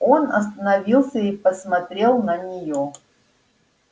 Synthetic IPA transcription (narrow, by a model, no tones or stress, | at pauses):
onɐ̰s̬t̪ənɐvʲilˠsʲəipəsmɐt̪ɾʲe̞lˠnənʲɪjo